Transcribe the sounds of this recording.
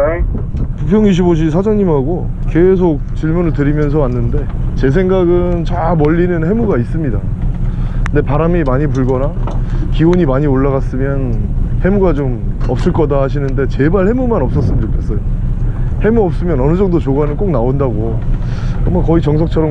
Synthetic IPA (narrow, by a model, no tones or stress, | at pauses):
pupʰjʌŋiɕ̬ʰiboɕ̬ʰisʰad͡ʑʌŋɲimɦaɡo | ke̞sʰok̚t͡ɕiɭmunɯɭtɯɾimjʌns̬ʰʌanːɯnde̞t͡ɕe̞s̬ʰe̞ŋɡaɡɯnt͡ɕamʌʎːinɯnhe̞muɡais͈ɯmɲida | nde̞paɾamimaɲip̬uɭɡʌnakiwoɲimaɲioɭːaɣas͈ɯmjʌnhe̞muɡad͡ʑomʌp̚s͈ɯɭk͈ʌdaɦaɕʰinɯnde̞t͡ɕe̞baɭhe̞mumanʌp̚s͈ʌs͈ɯmid͡ʑokʰe̞s͈ʌjo | he̞muʌp̚s͈ɯmjʌnʌnɯd͡ʑʌŋdot͡ɕoɡanɯnk͈ok̚naondaɡo | kɯmʌkʌit͡ɕʌŋsʰʌk̚t͡ɕʰʌɾʌm